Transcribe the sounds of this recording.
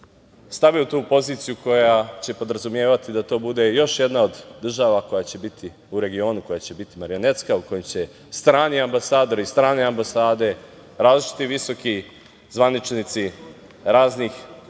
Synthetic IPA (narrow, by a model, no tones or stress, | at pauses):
st̪aʋiut̪uːpo̞ziːt̪sijuko̞jat͡ɕe̞po̞d̪ɾazumje̞ːʋat̪id̪at̪o̞ːbud̪e̞jo̞ʃje̞d̪nao̞d̪ːr̩ʒaːʋako̞jat͡ɕe̞bit̪ʰi | uɾe̞ɡio̞ːnuko̞jat͡ɕe̞bit̪imaɾijo̞ne̞t̪skauko̞jemt͡ɕe̞ | st̪ɾaːniambasaːd̪o̞ɾist̪ɾaːneambasaːd̪e̞ | ɾaːzliʃi̥t̪iʋiso̞ki | zʋanit͡ʃnit̪si | ɾaːznix